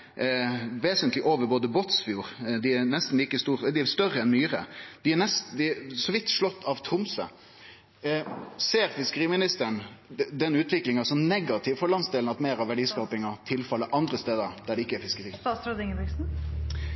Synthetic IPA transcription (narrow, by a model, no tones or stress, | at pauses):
ʋeːsənt̪lɪʔoːʋəɾboːd̪əbɔt̪sfjuːɾd̪ɪænɛst̪n̩liːkəst̪uːɾd̪ɪæst̪œɾəɛnmyːɾə̰d̪̥ɪænɛsd̪ɪsɔʋɪt̪ːʂlɔt̪ːɑʋt̪ʰɾʊmsə̰ | seːɾfɪskəɾiːmɪnɪst̪əɳd̪ɛnʉːt̪ʰʋɪklɪŋɑsɔmnɛɡɑt̪ʰɪʋfɔɾɭɑnsd̪eːlnɑt̪meːɾɑʋæɖiːskɑːpɪŋɑt̪ʰɪlfɑlːəʔɑnd̪ɾəst̪eːd̪əɾd̪̥æɖɛɪkːəæɾfɪskəɾiːɑsɾod̪ɪŋəbɪksn̩